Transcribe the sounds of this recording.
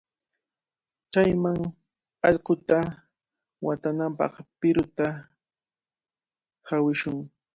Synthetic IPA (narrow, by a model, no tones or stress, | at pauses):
t͡ʃajmaŋ | ɑʎqʊt̪a | wat̪anampɑ̰χpɪɾʊt̪a | hawɪʃʊŋ